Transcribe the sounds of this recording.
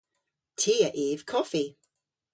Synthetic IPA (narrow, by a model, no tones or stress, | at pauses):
tʰiːəʔiːv̥kʰɔfi